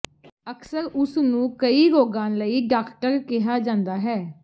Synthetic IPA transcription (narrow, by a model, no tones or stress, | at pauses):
əksəɾʊsnũːkəiːɾoːɡãːnləiːɖaːkʈəɾkɪɦaːd͡ʒãːnd̪aːɦɛː